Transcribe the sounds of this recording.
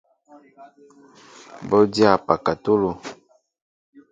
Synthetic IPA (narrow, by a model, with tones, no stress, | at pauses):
bɔ˦dja˦˨pa˨ka˨tu˦lo˨